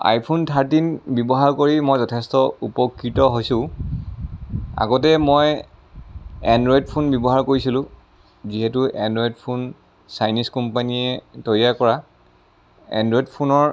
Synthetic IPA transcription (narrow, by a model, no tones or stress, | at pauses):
a̰jpʰuntʰaɹtinbɔbɔɦaɹkoɹimojzɔtʰɛstɔupɔkɹitɔɦojsʊ̃ | a̰ɡɔtɛmoj | ɛndɹɔidpʰunbɔbɔɦaɹkoɹisilʊ̃ | ziɦɛtuʔɛndɹɔjdpʰun | sajniskɔmpaniɛtoɹiakɔɹa | ɛ̰ndɹɔjdpʰunɔɹ